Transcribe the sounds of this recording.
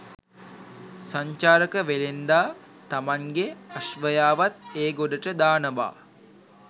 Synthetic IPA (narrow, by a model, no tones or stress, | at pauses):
saɲt͡ʃaːɾəkəʋelend̪aː | t̪amaŋɡeaʃʋəjaːʋat̪eːɡoɖəʈəd̪aːnəʋa̰ː